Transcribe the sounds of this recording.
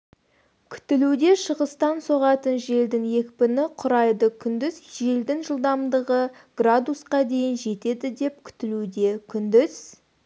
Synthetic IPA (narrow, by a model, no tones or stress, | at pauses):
kʲʰʏ̥t̪ɪlud̪e̞ʃəʁəst̪ɑnsoʁɑt̪ənʒe̞ld̪ɪŋje̞kʲpɪnɪqʰʊɾɑjd̪əkʲʰʏnd̪ɪzʒe̞ld̪ɪŋʒəlˠd̪ɑmd̪əʁə | ɡ̥rad̪usqɑd̪e̞jɪnʒe̞t̪e̞d̪ɪd̪e̞p̚kʲʰʏ̥t̪ɪlud̪e̞kʲʰʏnd̪ɪz̥